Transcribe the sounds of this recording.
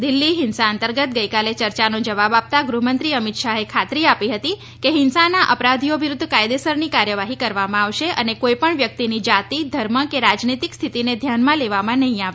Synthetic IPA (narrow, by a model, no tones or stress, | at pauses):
d̪ilːiɦɪnsaənt̪əɾɡət̪̚ɡəjkalet͡ʃəɾt͡ʃanõd͡ʒəʋabap̚t̪aɡɾumənt̪ɾiəmit̪ʃaɦekʰat̪ɾiapiɦət̪i | keɦɪnsanaʔəpɾad̪ʱioʋiɾʊd̪ʱːkajd̪esəɾnikaɾjəʋaɦikəɾʋamãaʋʃeʔənekoipəɳʋjək̚t̪inid͡ʒat̪id̪ʱəɾməkeɾad͡ʒnit̪ikst̪ʰit̪ined̪ʱjanmãleʋamãnəɦĩaʋe